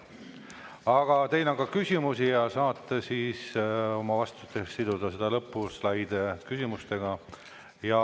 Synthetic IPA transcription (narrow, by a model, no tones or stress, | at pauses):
ɑɡ̥ɑt̪e̞jnoŋɡkɑkysʲimusijɑsɑːt̪ːˑesiːso̞mɑvɑst̪ut̪ːˑesːid̪ud̪ɑse̞d̪̥ɑlɤpːˑuslɑjd̪ekysʲimust̪e̞ɡ̥ɑ | jɑ